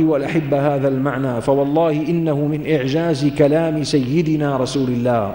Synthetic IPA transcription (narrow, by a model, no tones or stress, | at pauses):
walʔaħabːahaːðalmaʕnaːfawɑlˤːɑːhɪʔɪnːahʊmɪnʔɪʕd͡ʒaːzɪkalaːmɪsajːɪd̪ɪnaːɾˤɑsuːlɪlːaːh